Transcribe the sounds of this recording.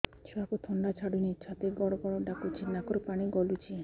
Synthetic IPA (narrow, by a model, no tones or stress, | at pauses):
t͡ʃʰuakut̪ʰɔɳɖat͡ʃʰaɽunit͡ʃʰat̪iɡɔɽoɡɔɽoɖakut͡ʃʰinakɔɾpaɽ̃iɡɔlut͡ʃʰi